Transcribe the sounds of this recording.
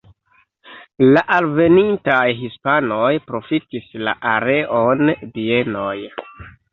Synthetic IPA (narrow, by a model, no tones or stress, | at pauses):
laʔalve̞nintajɦispanojpɾo̞fitisla̰ʔaɾe̞ʔondienoj